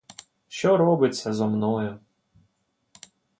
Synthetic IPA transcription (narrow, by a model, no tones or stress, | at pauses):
ʃt͡ʃɔɾɔbɪt͡sʲːɐzɔmnɔjʊ